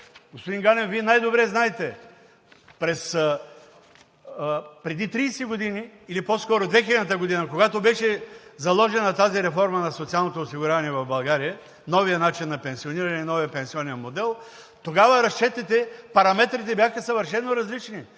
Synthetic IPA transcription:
ɡospod̪iŋɡanɛfviɛnajd̪obɾɛznaɛt̪ɛ | pɾɛs | pɾɛd̪it̪ɾiːsiɡod̪iniːliposkɔɾod̪vɛxilʲɐd̪ət̪əɡod̪inɐkoɡat̪obɛʃɛzɐlˠɔʒɛnɐt̪aziɾɛfɔɾmɐnɐsot̪sialˠnot̪oːsiɡʊɾʲjavɐniɛvɐvbɐlˠɡaɾijə | nɔvijənat͡ʃinːɐpɛ̃nsioniɾɐnɛinɔviəpɛnsiɔnimod̪ɛlˠ | t̪oɡavəɾɐst͡ʃɛt̪ɛt̪ɛpɐɾɐmɛt̪ɾit̪ɛbjaxəsɐvəɾʃɛnːoɾɐzlit͡ʃni

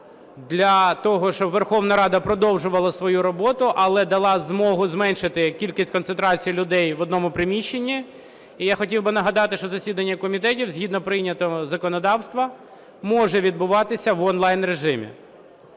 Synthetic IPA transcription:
d̪lʲɐt̪ɔɦɔʃt͡ʃɔbʋerxɔwnɐɾɑd̪ɐpɾɔd̪ɔwʒʊʋɐlˠɐsʋɔjuɾɔbɔt̪ʊʔɐlˠɛd̪ɐlˠɑzmɔɦʊzmɛnʃɪt̪ɪkʲilʲkʲisʲtʲkɔnt̪ent̪ɾɑt͡sʲijlʲʊd̪ɛjʋɔd̪nɔmʊpɾɪmʲiʃːenʲːiː | jaxɔtʲiwbɪnɐɦɐd̪ɑt̪ɪʃt͡ʃɔzɐsʲid̪ɐnʲːɐkɔmʲit̪ɛtʲiwzʲɦʲid̪nɔpɾɪjnʲːɐt̪ɔzɐkɔnɔd̪ɑwst̪ʋɐ | mɔʒɛʋʲid̪̚bʊʋɑt̪ɪsʲɐʋɔnlˠɑjnɾeʒɪmʲḭ

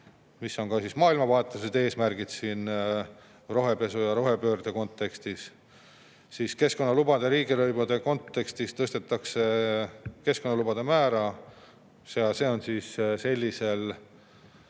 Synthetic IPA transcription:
misːo̞ŋkɑsismɑːilmɑvɑɦet̪ːˑluse̞d̪̥e̞ːsmærɡ̥id̪̥siːn | ro̞ɦe̞pe̞sujɑɾo̞ɦe̞pø̞ːrd̪̥eko̞nt̪ːˑe̞kst̪is | siske̞sko̞nːɑlubɑd̪̥eɾiːɡiløjbud̪̥e̞ko̞nt̪ːe̞kst̪ist̪ɤst̪e̞t̪ˑːɑkse̞ | ke̞sko̞nːɑlubɑd̪̥e̞mæːɾɑ | jɑse̞ːo̞nsiːsse̞lʲːise̞l

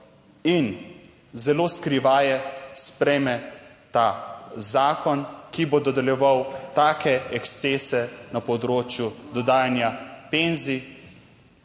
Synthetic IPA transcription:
in | zɛloːskɾiʋaːjɛspɾɛjmɛt̪azaːkɔnkibod̪ɔd̪ɛljɛʋawt̪aːkɛɛkst̪seːsɛnapɔd̪ɾoːt͡ʃjud̪ɔd̪aːjanjapenzi

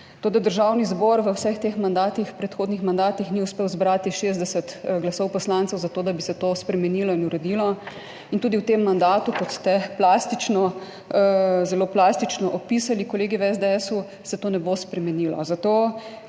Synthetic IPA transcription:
t̪oːd̪ad̪əɾʒawnizbɔɾʋəwsəxt̪exmand̪aːt̪ixpɾɛt̪xoːd̪nixmand̪aːt̪ixniuspeːwzbɾaːt̪iʃeːzd̪ɛsət̪ɡlasɔwpɔslant̪sɛwzat̪oːd̪abisɛt̪ospɾɛmɛnilɔinuɾɛd̪ilɔ | int̪uːd̪iwt̪emːand̪aːt̪ukɔt̪st̪ɛplaːst̪it͡ʃnɔ | zɛloplast̪it͡ʃnɔʔɔpisalikɔleːɡiʋɛzd̪eɛsu | sɛt̪oːnɛbospɾɛmɛnilɔ̰zat̪oː

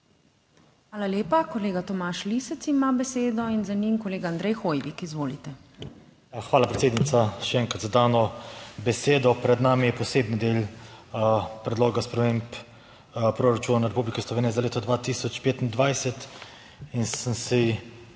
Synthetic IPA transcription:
xʋaːlaljeːpakoleːɡat̪ɔmaʃlisɛt̪simabɛseːd̪ɔinzaniŋkɔleːɡaːnd̪ɾɛjxoːjʋikizʋoːlit̪ɛ | jaxʋaːlapɾɛt̪seːd̪nit̪saʃɛɛːŋkɾat̪zad̪aːnɔbɛseːd̪ɔpɾɛd̪naːmijɛpɔseːbnid̪eːl | pɾɛd̪loːɡaspɾɛmeːmp | pɾoɾat͡ʃuːnanaɾɛpublikislɔʋeːnijɛzaleːt̪ɔd̪ʋat̪iːsɔt͡ʃpeːt̪ind̪ʋajsɛt̪ | insənsi

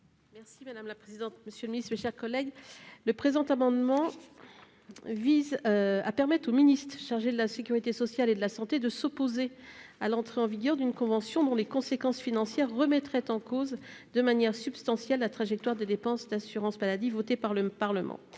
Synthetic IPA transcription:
mɛʁsimad̪amlapχezid̪ɑ̃t̪̚məsjøləminit̪meʃɛʁkɔlɛɡləpχezɑ̃t̪amɑ̃d̪mɑ̃ | viza̰pɛʁmɛt̪χominist̪χʃaʁʒed̪əlasekʲyʁit̪esɔsjaled̪əlasɑ̃t̪ed̪əsɔpoze | alɑ̃t̪χeɑ̃viɡʲœʁd̪ynkɔ̃vɑ̃sjɔ̃d̪ɔ̃lekɔ̃sekɑ̃sfinɑ̃sjɛʁːəmɛt̪χɛt̪ɑ̃kozd̪əmanjɛʁsybst̪ɑ̃sjɛlːat̪χaʒɛk̚t̪waʁd̪ed̪epɑ̃sd̪asyʁɑ̃smalad̪ivot̪epaʁləpaʁləmɑ̰̃

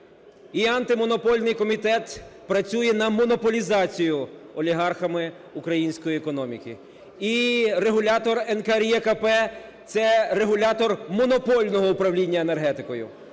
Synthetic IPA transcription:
iɐnt̪ɪmɔnɔpɔlʲnɪjkɔmʲit̪ɛt̪pɾɐt͡sʲujɛnɐmɔnɔpɔlʲizɑt͡sʲijʊɔlʲiɦɑrxɐmɪ | ʊkɾɐjinʲsʲkɔjiɛkɔnɔmʲḭkɪ | ireɦʊlʲat̪ɔrɛnkɐɾʲjɛkɐpɛt̪sɛreɦʊlʲat̪ɔrmɔnɔpɔlʲnɔɦɔʊpɾɐwlʲinʲːɐenerɦɛt̪ɪkɔjʊ̰

